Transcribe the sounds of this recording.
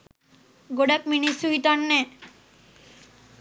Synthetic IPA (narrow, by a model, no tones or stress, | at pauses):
ɡoɖak̚minisuɦit̪ɔnːɛ